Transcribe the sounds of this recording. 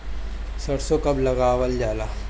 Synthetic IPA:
sɐɽsokɐblɐɡaːwəld͡ʒaːlaː

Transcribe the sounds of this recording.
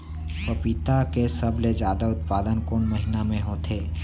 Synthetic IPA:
p̪opit̪akesəbled͡ʒjaːd̪aʊt̪̚paːd̪ənkoːnmɐɦinamẽɦoːt̪ʰeː

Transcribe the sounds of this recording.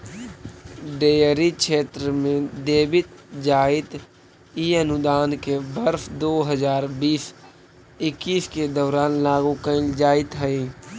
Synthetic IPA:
ɖeːəɾikʃʰeːt̪ɾəmẽd̪eːbɪt̪d͡ʒaːɪt̪ | iənʊd̪aːnkebəɾfd̪oːɦəzaːɾbiːs | ɪkːiːsked̪ɔːɾaːnlaːɡũkəɪ̃d͡ʒaːɪt̪ɦɛi

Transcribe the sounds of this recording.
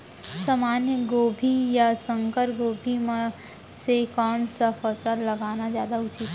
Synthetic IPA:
saːmaːnjəɡoːbʱijasə̃ŋkəɾɡoːbʱim | sekɔːnsəpʰəsəɾləɡaːnazjaːd̪aʊt͡ʃit̪

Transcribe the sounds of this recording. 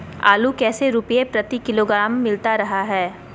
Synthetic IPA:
a̰ːlukɛːseɾʊpiepɾɐt̪ikɪloːɡɾaːmːɪlt̪aɾɐɦaɦɛː

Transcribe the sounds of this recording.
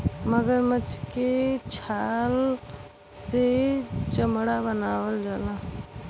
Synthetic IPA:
məɡəɾmət͡ʃket͡ʃʰaːl | set͡ʃəmɽabənaːwəld͡ʒala

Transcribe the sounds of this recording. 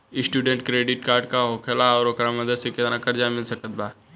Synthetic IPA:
ɪsʈuːɖə̃ɳʈkɾeːɖɪʈkaːɾɖkaɦokʰelaɔːɾokɾamɐd̪əd̪seket̪nakɐɾd͡ʒamɪlsɐkət̪d̪aː

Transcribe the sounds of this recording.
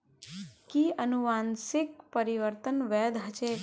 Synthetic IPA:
kiənuʋansik̚pəɾiʋəɾt̪ənʋɛd̪ɦət͡ʃe

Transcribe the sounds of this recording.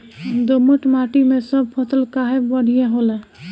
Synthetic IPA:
d̪oməʈmaʈimesəb̚pʰəsəlkaɦebəɽ̤ijeɦolɛ̃

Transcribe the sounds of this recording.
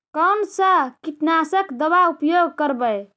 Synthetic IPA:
kəmsəkiʈnasəkd̪əbaupjoɡkəɾbəj

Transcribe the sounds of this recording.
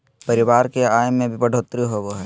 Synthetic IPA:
pɐɾɪʋaːɾkeaːjmẽbʱipɐɽ̤ʱoːt̪ɾiɦoːɡoɦɛː

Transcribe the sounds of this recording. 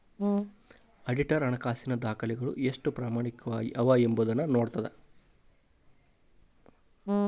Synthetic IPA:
ɐɖiʈɐɾɐɳɐkaːsinɐd̪aːkɐlɛɡɐɭṵesʂʈupɾaːmaːɳikːɐʋaːembud̪ɐnːɐnoːɽt̪ɐd̪e

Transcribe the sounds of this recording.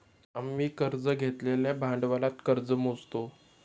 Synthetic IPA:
amːiːkəɾd͡zəɡʱet̪leljabʱãɳɖʋalat̪kəɾd͡zəmod͡zt̪o

